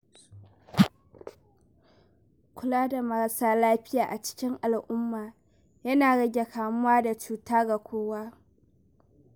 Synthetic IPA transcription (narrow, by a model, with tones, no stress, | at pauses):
kʷʊ˨˦laː˦da˨mɐ˨ɐ˦saː˦laː˦ɸɪ˦jaː˨ʔa˨t͡ʃɪ̥˦kʲɪ˦ŋʔa˨lʔʊ˦mːaː˨ | jɐ˦naː˨ɽɐ˦ɡʲe˨kʰaː˨mʊ˦waː˦da˨t͡ʃuː˦taː˦ɡa˨kʷʰoː˦waː˦